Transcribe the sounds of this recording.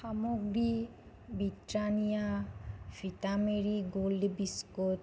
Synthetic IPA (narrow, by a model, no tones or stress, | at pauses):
samoɡɾi | bitɾanija | fit̪ameɾiɡoldebiskot̪